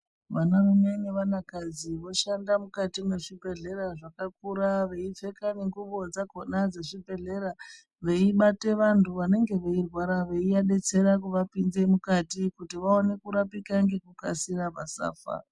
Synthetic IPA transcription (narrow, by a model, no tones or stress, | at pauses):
ʋanaruɲaineʋanakad͡ziʋo̞ʃandamukatime̞ʐibʱe̞ɮe̞ɾaʐakak̚uɾaʋe̞ife̞kaneŋɡuɓo̞d͡zakonad͡zeʐibʱe̞ɮe̞ɾa | ʋe̞iɓate̞ʋantʰuʋane̞ŋɡe̞ʋe̞irwaɾaʋe̞iaɗe̞t͡se̞ɾak̬uʋapinze̞mukatikutiʋaone̞kuɾapikaŋɡe̞kuka̰sirapasa̰ːfa̰